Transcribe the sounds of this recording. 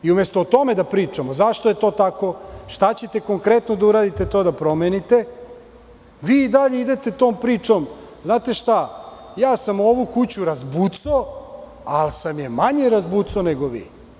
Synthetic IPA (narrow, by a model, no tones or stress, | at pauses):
iumest̪ot̪o̞med̪apɾiːt͡ʂamozaʃt̪o̞jet̪o̞ːt̪ako̞ʃt̪at͡ɕe̞t̪e̞ko̞ŋkɾet̪nod̪auɾaːd̪it̪e̞t̪o̞ːd̪apɾo̞menit̪e | ʋiːd̪aʎeid̪et̪e̞t̪oːmpɾiːt͡ʂo̞m | znaːt̪e̞ʃt̪a | jaːsamuo̞ʋukut͡ɕuɾazbut̪so | alsamjemaɲeɾazbut̪soneɡoʋḭː